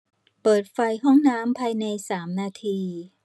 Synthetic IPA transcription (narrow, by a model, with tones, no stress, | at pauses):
pɤː˨˩t̪̚fa˧jɦɔ˥˩ŋnaː˦˥mpʰaː˧jna˧jsaː˩˦mnaː˧t̪ʰiː˧